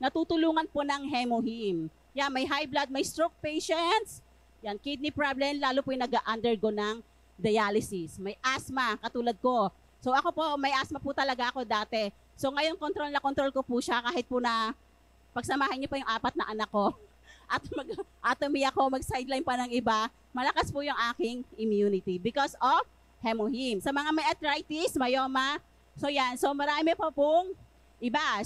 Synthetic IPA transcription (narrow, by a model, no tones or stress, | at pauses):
nɐt̪uːt̪ʊluːŋɐnponɐŋɦɛmohim | janmɐjɦajblad̪̚mɐjst̪ɾok̚pɛjʃɛnt̪s | jankɪd̪̚nɪpɹablɛmlaːlopʊjnɐɡaʔand̪ɛɹɡonɐŋ | d̪ɐjalɪsismɐjʔasmakɐt̪uːlɐd̪̚ko̞ | so̞ʔɐko̞po̞mɐjʔasmɐput̪ɐlɐɡaʔɐko̞d̪aːt̪ɛ | so̞ŋɐjo̞nkont̪ɾo̞lnɐkont̪ɾolkopuʃakaːhɪt̪̚pʊnɐ | pɐɡ̚sɐmaːhɐnɲopɐjʊŋʔaːpɐt̪̚nɐʔɐnɐkːo̞ | ʔɐt̪̚mɐɡʔaːt̪omiɐko̞mɐɡ̚sajd̪lajnpɐnɐŋɪba | mɐlɐkaspʊjʊŋʔaːkɪŋɪmjuːnɪt̪ibɪkosof | hɛmohimsɐmɐŋamɐjʔɐt̪ɾajt̪ismɐjoːma | sojanso̞mɐɾaːmɪpɐpʊŋ | ʔɪba